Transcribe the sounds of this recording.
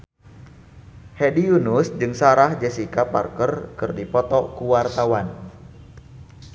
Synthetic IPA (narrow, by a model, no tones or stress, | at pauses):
hɛdijunusd͡ʒɨŋsaɾahd͡ʒɛsikapa̰rkərkɨrdipɔt̪ɔkuwart̪awan